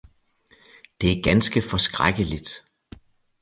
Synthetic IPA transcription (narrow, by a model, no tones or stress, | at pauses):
d̥e̝æɐɡ̥ænsɡ̥əfɒ̽sɡ̥ʁaɡ̥əlid̥